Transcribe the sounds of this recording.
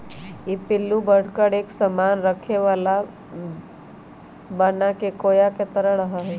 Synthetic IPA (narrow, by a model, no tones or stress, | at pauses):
jepɪlːubəɽ̤kəɽeːksəmaːnɾəkʰeʋaːla | banakekoːjaket̪əɾəɾəɦaɦɛː